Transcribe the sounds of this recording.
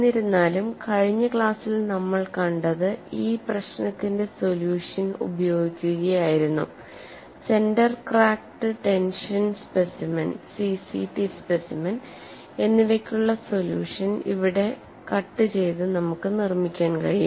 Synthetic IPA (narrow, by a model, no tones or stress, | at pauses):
iɾunːaːlumkɐɻiɲːɐkɭaːsilnɐmːɐɭkɐɳɖɐðɨiːprɐɕnɐt̪ːinde̞so̞ljuːʂɐnṵbɐjo̞ːɡikʲːuɣɐjaːjiɾunːṵ | se̞ndɐrkraːkʈɨʈe̞nʂɐnspesimɐnsisiʈispesimɐn | e̞nːiʋɐkʲːuɭːɐso̞ljṵːʂɐnḭʋiɽe̞ | kɐʈːɨt͡ɕe̞jt̪ɨnɐmukːɨnirmikʲːaːnkɐɻiju